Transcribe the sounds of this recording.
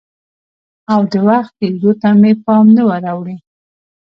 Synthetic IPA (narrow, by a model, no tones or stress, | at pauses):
awd̪əwaxt̪̚ked̪ot̪amepɑmnəwəɾɑwɽi